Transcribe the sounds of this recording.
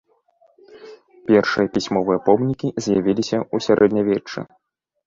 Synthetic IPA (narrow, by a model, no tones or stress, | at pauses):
pʲɛrʂɨjɐpʲisʲmɔvɨjɐpɔmnʲikʲizʲjavʲilʲisʲɐusʲaɾʔɛd̪nʲɐvʲɛt͡ʂːɨ̰